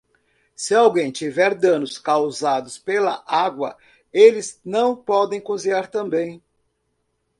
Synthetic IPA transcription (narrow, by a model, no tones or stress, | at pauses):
sɪawɡẽj̃t͡ʃivɛɾd̪ɐ̃nʊskawzad̪ʊspelɐʔaɡwɐ̰ | elɪznɐ̃w̃pɔd̪ẽj̃kõziaɾt̪ɐ̃mbẽj̃